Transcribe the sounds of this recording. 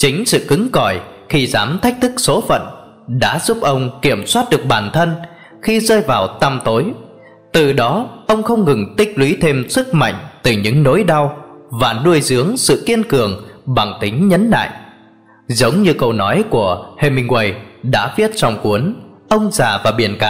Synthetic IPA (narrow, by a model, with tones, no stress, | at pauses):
t͡ɕï˨˦ŋ̟sɨ̰˧˨kɨ˨˦ŋkɔ˧˩jxi˧zaː˨˦mt̪ʰa˦˥jk̚t̪ʰɨ˦˥k̚so˨˦fə̰˧˨n | ɗa̰ː˧˥zu˦˥p̚ʔə˧wŋ͡mki˧˩əmswaː˦˥t̚ɗɨ˨˩ək̚ɓaː˨˩nt̪ʰə˧n | xi˧zəː˧jvaː˨˩wt̪a˧mt̪o˨˦j | t̪ɨ˨˩ɗɔ˨˦ʔə˧wŋ͡mxə˧wŋ͡mŋɨ˨˩ŋt̪ï˦˥k̟̚lwi˨˦t̪ʰe˧msɨ˦˥k̚ma̰˧˨jŋ̟t̪ɨ˨˩ɲɨ̰˧˥ŋno̰˧˥jɗa˧wvaː˨˩nu˧əjzɨ˨˦əŋsɨ̰˧˨ki˧ənkɨ˨˩əŋɓa˨˩ŋt̪ï˨˦ŋ̟ɲə˨˦nla̰ː˧˨j | zə˨˦wŋ͡mɲɨ˧kə˧wnɔ˨˦jku˧˩əhe˧mï˧ŋ̟wə˧jɗa̰ː˧˥fi˦˥ət̚t͡ɕɔ˨˧˩wŋ͡mku˨˦ənʔə˧wŋ͡mzaː˨˩vaː˨˩ɓi˧˩ənka˨˧